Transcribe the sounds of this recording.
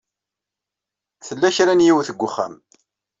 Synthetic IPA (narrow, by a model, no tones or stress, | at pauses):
θəlːæçɾænjiwθəɡʷːʊχːæ̰m